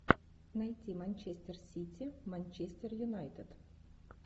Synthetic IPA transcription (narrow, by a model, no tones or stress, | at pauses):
nɐjt̪ʲimanʲt͡ɕesʲt̪ʲersʲitʲimanʲt͡ɕesʲt̪ʲerjunajt̪ʲet̪